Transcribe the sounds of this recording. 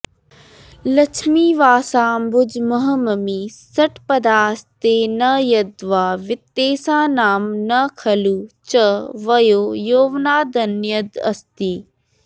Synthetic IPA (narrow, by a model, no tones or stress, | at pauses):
lɐt͡ʃʰmiːʋaːsãːmbʊd͡ʑmɐɦəmɐmiːsɐʈpɐd̪aːst̪eːnɐjɐd̪ʋaːʋɪt̪ːeːsãːnaːmnɐkʰɐluːt͡ʃɐʋɐjoːjoːʋnaːd̪ɐnjəd̪ɐ̰st̪iː